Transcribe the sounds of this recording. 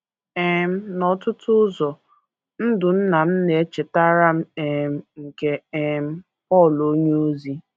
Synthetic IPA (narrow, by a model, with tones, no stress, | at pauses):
e˨m̩˦nɔ˨tʊ˦tʊ˦zɔ˨ | n̩˦dʊ˨n̩˦na˨m̩˦ne˨e˦t͡ʃe˨ta˦ɾa˦m̩˦e˨m̩˦ŋ̩˨ke˦e˦m̩˦ | pɔ˦˨lo˦ɲe˦o˦zi˦